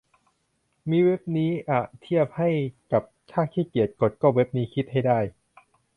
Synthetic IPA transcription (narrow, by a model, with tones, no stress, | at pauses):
miː˧we˦˥p̚niː˦˥ʔa˨˩t̪ʰi˥˩əp̚ha˥˩jka˨˩p̚t͡ɕʰaː˥˩k̚t̪ʰiː˥˩ki˨˩ət̪̚ko˨˩t̪̚kɔː˥˩we˦˥p̚niː˦˥kʰi˦˥t̪̚ha˥˩jdaː˥˩j